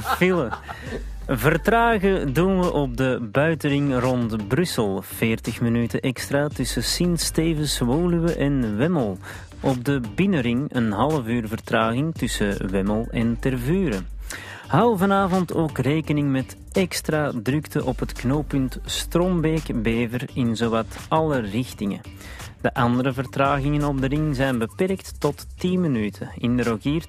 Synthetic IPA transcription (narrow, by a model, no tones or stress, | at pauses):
vɪlə | vərtraːɣədunʋəʔɔb̚dəbœɥtəɾɪŋrɔntbrʏsəlˠv̥ɪːrtəxmənytəʔɛkstraːtʏsəsɪnsteːvənswoːlywəʔɛnʋɛməlˠ | ʔɔb̚dəbɪnəɾɪŋə̰nɦɑlˠəvyːrvərtraːɣɪŋtʏsə̰wɛməlˠɛntɛrvyːɾə | hɑwvɑnaːvɔntoːkreːkənɪŋmɛt | ɛkstradrʏktəʔɔpɦətknoːpʏntstrombeːkbeːvərɪnzoːwatɑlərɪxtɪŋə̰ | d̥əʔɑndəɾəvərtraːɣɪŋənɔb̚dəɾɪŋzɛjnbəpɛrktːɔtːinmənyːtʰəɪndəɾokiːr